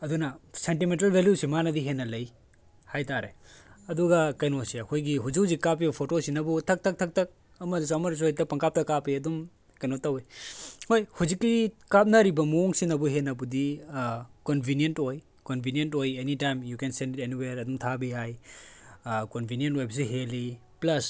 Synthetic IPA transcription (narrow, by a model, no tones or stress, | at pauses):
ɐdunɐsentimentɐlbʱeljusimanɐdiɦenːɐlɐj | hajtaɾeɐduɡɐkɐjnosiɐkʰojɡiɦuziwzikap̬ibɐpʰotosinɐbutʰɐk̚tʰɐk̚tʰɐk̚tʰɐk̚ | ɐmɐdis̬oɐmɐɾs̬oj̚tɐpɐŋkap̚tɐkapiɐdum | kɐjnotɐwehojhuzikːikap̚nɐɾibɐmoŋsinɐbuɦenɐbudi | konbʱinjentoj | konbʱinjentojenitajmjukensenditeniweɾɐdumtʰabiaj | konbʱinijentojbs̬iɦeli | plɐs